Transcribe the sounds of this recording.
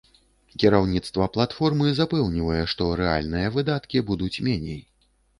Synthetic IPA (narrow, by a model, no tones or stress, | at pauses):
kʲiɾawnʲit̪st̪vɐplˠat̪fɔrmɨzapɛwnʲivɐjɛʂt̪ɔɾɛa̰lʲnɨjɐvɨd̪at̪kʲibud̪ut͡sʲmʲɛnʲḛj